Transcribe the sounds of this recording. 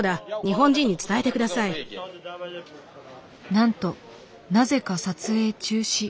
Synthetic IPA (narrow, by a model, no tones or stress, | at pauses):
d̪aɲ̟iɦõ̞ɲ̟d͡ʑĩɲ̟ːit͡sɨ̥t̪ae̞t̪e̞kɯd̪asai | nãnt̪o̞ | naze̞kasat͡sɨe̞ːt͡ɕɨːɕi